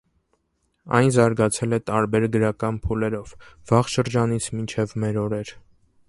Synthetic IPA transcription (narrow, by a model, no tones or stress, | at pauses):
ɑ̰jnzɑɾɡɑt͡sʰɛlɛt̪ɑɾbɛɾɡəɾɑkɑnpʰulɛɾɔvv̥ɑʁʃəɾd͡ʒɑnit͡sʰmint͡ʃʰɛvmɛɾɔɾɛɾ